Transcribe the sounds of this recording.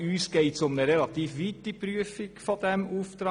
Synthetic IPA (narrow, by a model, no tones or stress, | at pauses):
ʉːskɛɪt̪sɔmd̪ɛɾɛlɑt̪iːfʋɪt̪ːɪpɾʉːfɪkfɔd̪ɛmʊfd̪ɾɑ